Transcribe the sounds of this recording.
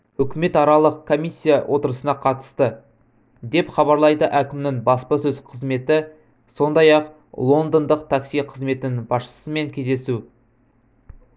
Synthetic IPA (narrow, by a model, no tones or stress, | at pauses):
ʏkʲɪme̞t̪ɑɾɑlˠəqkʰːo̞mʲisʲːijawʔo̞t̪əɾəsənɑqʰɑt̪ə̥st̪ə | d̪e̞pχɑβɑɾlˠɑjd̪əʔækʲɪmnɪŋbɑspəsɵzqʰəzme̞t̪ɪ | so̞nd̪ɑjɑq | lˠo̞nd̪ond̪əq̚t̪ʰaksijqʰəzme̞t̪ɪnɪŋbɑsʃə̥səme̞ŋkʲʰe̞zd̪e̞su